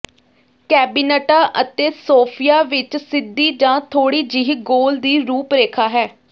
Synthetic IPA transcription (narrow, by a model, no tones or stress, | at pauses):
kɛːbiːnɛʈaːʔət̪eːsoːpʰijaːʋɪt͡ʃsɪd̪ːiːd͡ʒãːt̪ʰoːɽiːd͡ʒɪɦiɡoːld̪iːɾuːpɾeːkʰaːɦɛː